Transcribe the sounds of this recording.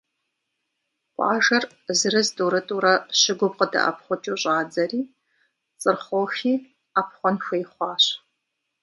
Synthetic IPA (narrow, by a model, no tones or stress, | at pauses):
ʔʷʼɑ̰ːʒɐr | zɨɾɨzduɾɨtʼuːɾɐɕɪɡʷʊbqədɐ̰ʔɐ̰p̚ʰχʷɔt͡ʃʼuːɕʼɑːd͡zɐriː | t͡sʼɨrχʷoːxiː | apʰχʷɔnxʷejχʷɑːɕ